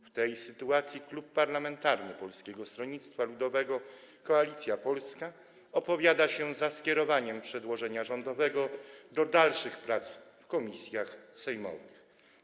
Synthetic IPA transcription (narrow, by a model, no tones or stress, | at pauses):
ft̪ɛjsɘt̪uat̪sʲjiklupːaɾlamɛnt̪aɾnɘpɔlskʲɛɡɔst̪ɾɔɲit̪st̪falud̪ɔvɛɡɔ | kɔalʲit̪sʲjapɔlska | ɔpɔvʲjad̪aɕɛzaskʲjɛɾɔvaɲɛmpʂɛd̪wɔʐɛɲaʐɔnd̪ɔvɛɡɔd̪ɔd̪alʂɘxpɾat̪sfkɔmʲisʲjaxsɛjmɔ̰vɨx